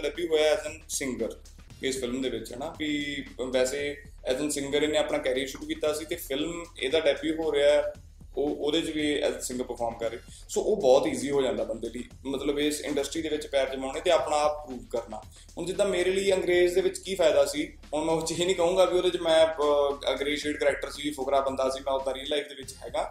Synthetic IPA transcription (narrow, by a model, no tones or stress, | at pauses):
ɖɛːbjuːɦoːjaːɛːzənsɪ̃ŋɡəɾ | ɪspʰɪlmd̪eːʋɪt͡ʃɦɛːnaːpiːʋɛːseː | ɛːzənsɪ̃ŋɡəɾeːneːaːpɳaːkɛːɾijəɾʃʊɾuːkiːt̪aːsiːt̪eːpʰɪlmḛːd̪aːɖɛːbjuːɦoːɾeaːɛ | oːoːd̪eːt͡ʃʋiːɛ̰ːnsɪ̃ŋɡəɾpəɾpʰɔːɾmkəɾːeː | soːʔoːbɔːt̪iːziːɦoːd͡ʒãːnd̪aːbənd̪eːlḭː | mət̪ləbesɪ̰̃ɳɖəsʈɾiːd̪eːʋɪt͡ʃpɛːɾd͡ʒəmaːneːt̪eːaːpɳaːppɾuːʋkəɾna̰ː | ɦʊnd͡ʒɪd̪ːãːmeːɾeːliːəŋɡɾeːzd̪eːʋɪt͡ʃkiːpʰaːɪd̪aːsiː | ɦʊnmɛ̃ːt͡ʃeːnĩːkəɦũːŋɡaːbiːoːd̪eːt͡ʃmɛ̃ːəŋɡɾeːʃeːʈkəɾɛːk̚ʈəɾsiːpʰʊkɾaːbə̃nd̪aːsiːmɛ̃ːoːk̪ɛːɾiːəɾlaikd̪eːʋɪt͡ʃɦɛːɡãː